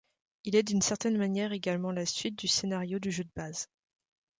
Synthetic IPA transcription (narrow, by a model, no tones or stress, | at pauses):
ilɛd̪ynsɛʁt̪ɛnmanjɛʁeɡalmɑ̃lasɥit̪̚d̪ysenaʁjod̪yʒød̪əbaz